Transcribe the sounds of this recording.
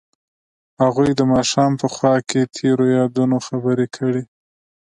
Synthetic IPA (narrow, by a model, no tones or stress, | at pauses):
haɣujd̪əmɑʃɑmpəxwɑket̪ʰeɾojɑd̪unoxabəɾekʰəɽi